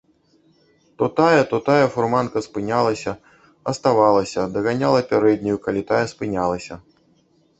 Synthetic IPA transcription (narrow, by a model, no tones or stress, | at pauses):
t̪ɔt̪ajɐt̪ɔt̪ajɐfurmankɐspɨnʲalˠɐsʲɐ | ɐst̪avalˠɐsʲɐd̪ɐɣanʲalˠɐpʲaɾɛd̪ʲnʲujukalʲit̪ajɐspɨnʲalˠɐsʲɐ